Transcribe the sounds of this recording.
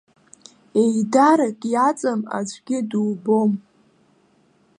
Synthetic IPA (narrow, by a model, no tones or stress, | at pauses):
e̞jdaɾakʼjat͡sʼama̰d͡ʒʷʼɡʲɪduwbo̞m